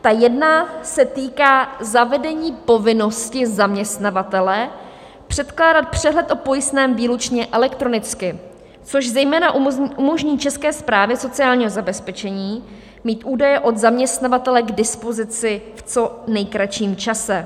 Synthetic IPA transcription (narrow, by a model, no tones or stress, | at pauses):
t̪ajɛdnasɛt̪iːkaːzavɛdɛɲiːpo̞vɪno̞scɪzamɲɛst̪navat̪ɛlɛ | pr̝̥ɛt̪klaːdat̪̚pr̝̥ɛɦlɛt̪ʔo̞po̞jɪst̪nɛːmviːlut͡ʃɲɛʔɛlɛkt̪ɾo̞nɪt͡skɪ | t͡so̞ʒzɛjmɛːnaʔʔumo̞ʒɲiːt͡ʃɛskɛːspɾaːvjɛso̞t͡sɪaːlɲiːɦo̞zabɛspɛt͡ʃɛɲiː | miːt̪ʔuːdajɛʔo̞d̪zamɲɛst̪navat̪ɛlɛɡdɪspo̞zɪt͡sɪft͡so̞nɛjkɾat͡ʃiːmt͡ʃasɛ